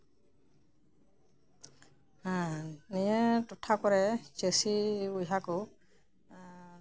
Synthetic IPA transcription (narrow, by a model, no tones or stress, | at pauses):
ãnijɛtɔtʰakɔɹɛkesiujɦako